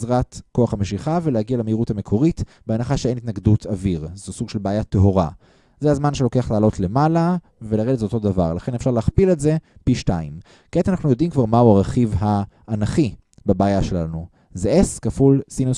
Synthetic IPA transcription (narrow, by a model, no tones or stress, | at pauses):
zʁatko̞aχhameʃiχavelehaɡialemeiʁuthame̞kʰo̞ʁit | beanaχaʃeenit̪naɡdutʰaviʁzusuɡ̥ʃelbaːjateɦo̞ʁa̰ | zeazmanʃelo̞ke̞aχlaːlo̞tle̞mala | velaʁedetzeot̪o̞dava̰ʁlaχenefʃaʁleaχpiletze̞piʃtaḭm | ket̪anaχnujo̞dimkvaʁmauaʁeχivɦaːnaχi | babaːjaʃelanu | zeʔeskafulsino